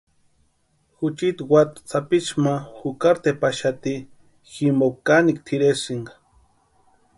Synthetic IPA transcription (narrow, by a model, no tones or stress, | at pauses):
xut͡ʃit̪wat̪t͡sapit͡ʃmaxukaɾt̪epaʃat̪i | ximokanikt̪ʰiɾesiŋɡḁ